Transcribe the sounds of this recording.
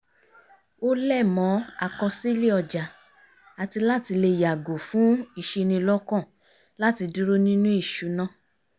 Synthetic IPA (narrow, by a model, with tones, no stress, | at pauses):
o˦lɛ˦˨mɔ̃˨˦a˨kɔ˧si˦le˦ɔ˧d͡ʒa˨ | a˨ti˧la˦ti˧le˧˨ja˨ɡo˨fũ˦i˦˧˨ʃe˧nĩ˧lɔ˦kɔ̃˦˨ | la˦ti˧du˦ɾo˦nĩ˦nũ˦i˦˨ʃu˨˦nã˦˨